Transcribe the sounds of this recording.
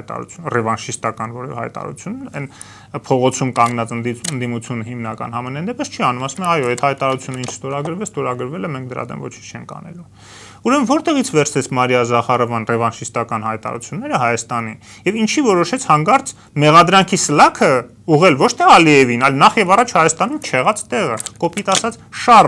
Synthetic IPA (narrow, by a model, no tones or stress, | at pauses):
jt̪ɑ̰ɾṵt͡sʰjunrɛvɑnʃist̪ɑkɑnvɔɾɛvɛ̰hɑ̰jt̪ɑ̰ɾṵt͡sʰjunɛn | pʰɔʁɔt͡sʰumkɑŋɡnɑt͡səd̪iənd̪imut͡sʰjunəhimnɑkɑ̰nhɑmɛnɛnd̪ɛpəst͡ʃʰiɑnumɑsumɛɑjɔɛt̪hɑjt̪ɑɑɾut͡sʰjunəint͡ʃʰst̪ɔɾɑɡəɾvɛst̪ɔɾɑɡəɾvɛlɛmɛŋk̚ʰd̪əɾɑ̰d̪ɛ̰mvɔ̰t͡ʃʰit͡ʃʰɛ̰ŋkʰɑ̰nɛ̰lum | uɾɛməvɔɾt̪ɛʁit͡sʰvɛɾt͡sʰɛt͡sʰmɑɾijɑzɑχɑrɔvɑnrɛvɑnʃist̪ɑkɑn̪hɑjt̪ɑ̰ɾṵt͡sʰjunːɛɾəɦɑjɑst̪ɑnin | jɛvint͡ʃʰivɔɾɔʃɛt͡sʰhɑŋɡɑɾt͡s | mɛʁɑd̪ɾɑŋkʰisəlɑkʰə | uʁɛlvɔt͡ʃʰt̪ʰɛɑliɛvinɑjlnɑχjɛvɑrɑt͡ʃʰhɑjɑst̪ɑnumt͡ʃʰɛʁɑt͡st̪ɛʁəkɔpit̪ɑsɑt͡sʰ | ʃɑr